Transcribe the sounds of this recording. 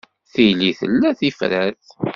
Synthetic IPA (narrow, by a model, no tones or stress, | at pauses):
θiliθə̰lːæθifɾæθ